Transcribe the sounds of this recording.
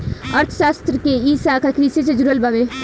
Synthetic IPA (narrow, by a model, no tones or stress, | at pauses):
ɐɾt̪ʰʃaːst̪ɾəkeiːsakakɾiset͡ʃed͡ʒɾəlbaʋe